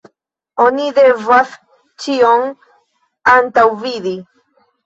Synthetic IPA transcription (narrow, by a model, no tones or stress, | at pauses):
oniðevaf | t͡ʃioŋ | ant̪awviði